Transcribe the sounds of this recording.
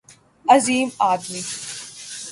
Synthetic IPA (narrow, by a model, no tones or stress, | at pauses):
ɐziːmaːd̪mi